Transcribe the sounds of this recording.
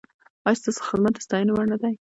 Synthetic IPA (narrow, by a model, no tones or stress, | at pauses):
ɑjst̪ɑsxɪzmat̪d̪ast̪ɑjənawaɾnad̪aj